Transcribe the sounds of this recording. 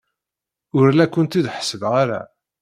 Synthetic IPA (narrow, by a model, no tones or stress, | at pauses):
ʊɾlækʷːənt̪id̪ħə̥səðʁaɾæ̰